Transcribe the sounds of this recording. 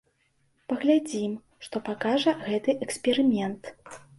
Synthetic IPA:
pɐɣlʲad͡zʲim | ʂt̪ɔpakaʐɐɣɛt̪ɨʔɛksʲpʲɛɾɨmʲɛnt̪

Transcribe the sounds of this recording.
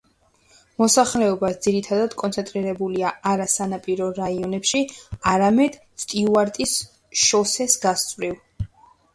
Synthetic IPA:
mɔsaχlɛɔbasd̪z̥iɾit̪ʰad̪ad̪̥kʼɔnt̪ʰɛnt̪ʼɾiɾɛbuliaaɾasanapʼiɾɔɾaiɔnɛpʃiaɾamɛd̪̥ | st̪ʼiuaɾt̪ʼis | ʃɔsɛsɡast̪sʼvɾiv

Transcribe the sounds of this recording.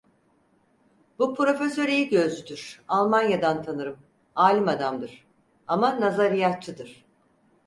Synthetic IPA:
bupʰɾo̞fesø̞ɾejiɟø̞zyd̪yɾ̥alˠmanjad̪ant̪ʰanɯɾɯm | aːlʲimad̪amd̪ɯɾ̥ | amanazaɾijat͡ʃʰːɯd̪ɯɾ̥

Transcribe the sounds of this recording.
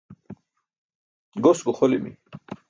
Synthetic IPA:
ɡosɡuχolimḭ

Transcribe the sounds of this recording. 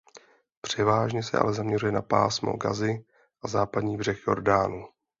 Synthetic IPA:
pr̝̥ɛvaːʒɲɛsɛ̰ʔa̰lɛzamɲɛrujɛnapa̰ːsmo̰ɡa̰zɪ | ʔazaːpadɲiːbr̝ɛxjo̞̰ɾdaːnu

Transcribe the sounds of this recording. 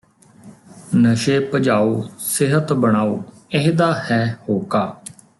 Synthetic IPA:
nəʃeːpəd͡ʒaːoːsɪɦət̪bəɽ̃aːoː | ɪɦd̪aːhɛːhoːkaː

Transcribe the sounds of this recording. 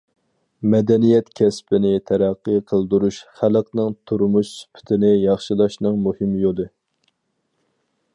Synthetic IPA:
mɛd̪ɛnijɛt̪kʲʰɛspʰɪnɪt̪ʰɛɾæqːəqʰəlˠd̪uɾuʃχæləqnɨŋt̪ʰuɾmuʃsy̥pʰɪ̥t̪ʰɪnɪjɑχʃilˠɑʃnɨŋmuhɪmjolˠɨ

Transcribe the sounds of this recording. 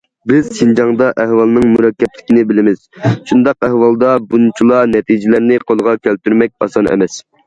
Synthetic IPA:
bɪz̥ʃind͡ʒɑŋd̪ɑʔɛhwɑlˠnɨŋmuɾɑkʲːɛplɪ̥kʲinɪbɪlɪmɪz̥ʃund̪ɑqɛhwɑlˠd̪ɑbunt͡ʃʰilˠɑnɛt̪ʰid͡ʒɪlæɾnɪqʰolˠəʁɑkʲʰælt̪yɾmɛk̚ʲɑ̰sɑnɛ̰mɛs

